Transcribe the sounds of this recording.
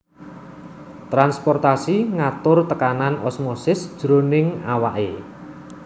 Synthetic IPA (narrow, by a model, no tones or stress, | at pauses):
t̪ɾanspɔrt̪asiŋat̪ʊrt̪əkananɔsmɔsɪsd̥ʒ̥ɾonɪŋawa̰ʔe